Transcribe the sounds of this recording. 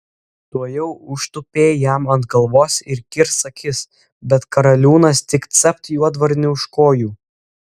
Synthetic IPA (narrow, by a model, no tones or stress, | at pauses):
t̪uɔjɛʊʊʃt̪ʊpʲeːjæmɐnt̪ɡɐlˠʋoːsɪɾkʲɪɾsɐkʲɪs | bʲɛt̪kɐɾɐlʲuːnɐst̪ʲɪkt̪sʲɛp̚t̪juɔd̪ʋɐɾʲnʲɪʊʃkoːjuː